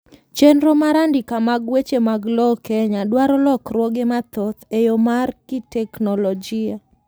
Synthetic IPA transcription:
t͡ʃenɾomaɾandɪkamaɡwet͡ʃemaɡlɔkɛɲadwaɾɔlɔkrwoɡemat̪ot̪ejomarkɪtɛknolɔd͡ʒɪa

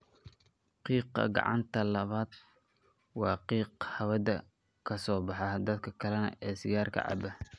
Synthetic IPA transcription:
qiːqɐ̰ɡɑ̰ʕɑ̰nt̪ʰɐlɐβaːd̪ | wɑːqiːqhɐwɐd̪ɐ | kʰɐsɔːbɑħɑd̪ɐd̪kʰɐkʰɐlɛnɐ̰ɛːsɪjaːrkʰɐ̰ʕɑ̰bɐ

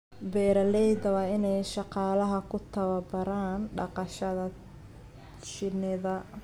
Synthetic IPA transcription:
bɛːɾɐlɛjd̪ɐwɑɪnɛjʃɑqɑːlɐɦɐkʰʊt̪ʰɐβɐbɐɾaːnɖɑ̰qɑʃɐðɐ | ʃɪnɪðɐ

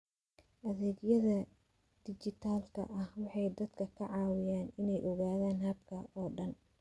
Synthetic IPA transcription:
ʔɐðɛːɡjɐðɐ | d̪̥ɪt͡ʃɪt̪ʰaːlkʰɐ̰ʔɐhwɑħɑjd̪ɐd̪kʰɐkʰɐʕɑːwɪjaːnɪnɛjʔɔɣaːðaːnhɐb̚kʰɐɔːɖɐn

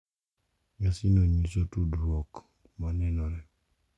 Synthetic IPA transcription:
ŋasinoɲisotudɾɔk | manɛnɔɾɛ

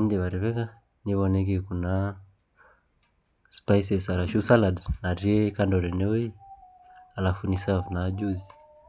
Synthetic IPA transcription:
m̩dɛβaɾɛβɛka | niβɔnɛɡikuna | spaisɛsaɾaʃusaladnaɾiɛkandɔɾɛnɛwi | alafunisavnad͡ʒuzi

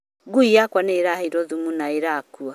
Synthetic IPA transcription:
ɡuiakwaneɾaheiɾɔðumunaeɾakua

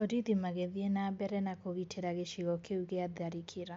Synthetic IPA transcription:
odiðimaɣeðienabɛɾɛnakoɣitʰeɾaɣeʃiɣɔkeuɣeaðaɾikʰeɾa

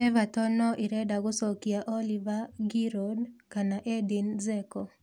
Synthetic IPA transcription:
ɛvatɔnɔʔiɾɛdaɡʊsɔkiaʔolivaɡiɾɔdkanaʔɛdinzɛkɔ

